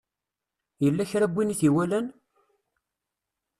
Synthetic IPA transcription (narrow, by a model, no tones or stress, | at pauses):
jəlːæçɾæbʷːiniθiwælæn